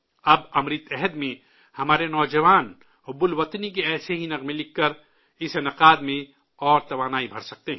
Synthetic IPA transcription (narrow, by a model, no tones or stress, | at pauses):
ɐbɐmɾit̪ɛɦɛd̪mẽ | hɐmaːɾenɔːd͡ʒɐʋaːn | ʊbʊlʋɐt̪nik̬eɛːseɦinɐqmelɪkːɐɾ | ɪsenɐqaːd̪mẽ | ɔːɾt̪ɐʋaːnaːibʱɐɾsɐk̚t̪eɦɛ̃ː